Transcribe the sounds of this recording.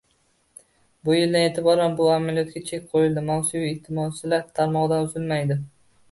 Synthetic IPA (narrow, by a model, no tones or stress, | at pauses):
bʊjɪld̪anet̪ʰɪbɒɾanbʊamalijɒt̪ɡʲat͡ʃʰekʲqʰojɪld̪ɪmansʊviɪht̪ʰɪmɒsɪlaɾt̪ʰaɾmɒʁd̪anʊzɪlmajd̪ɪ